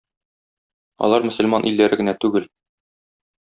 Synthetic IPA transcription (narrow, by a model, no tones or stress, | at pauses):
ɒ̰lˠɑɾmɵ̆sɵ̆lmɑnʔilːæɾɘɡɘ̆næt̪ʉɡɘl